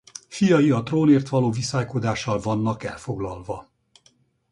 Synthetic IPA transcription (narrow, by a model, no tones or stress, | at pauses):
fijɒjiɒt̪roːneːrt̪ʋɒloːvisaːjkod̪aːʃːɒlvɒnːɒkɛ̰lfo̞ɡlɒlvɒ